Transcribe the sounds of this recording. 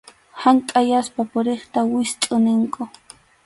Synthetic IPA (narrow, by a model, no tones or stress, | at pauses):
haŋkʼajaspapʊɾeχt̪awɪst̪ʼʊnɪŋkʊ